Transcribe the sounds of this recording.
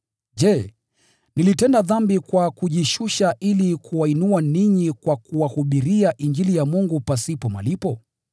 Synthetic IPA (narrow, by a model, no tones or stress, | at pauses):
ʄɛ | nilitɛndaðambikwakuʄiʃuʃaʔilikʰuainuwaniɲikwakuwahuɓiɾiaʔiɲd͡ʒilijamuŋɡupasipɔma̰lipɔ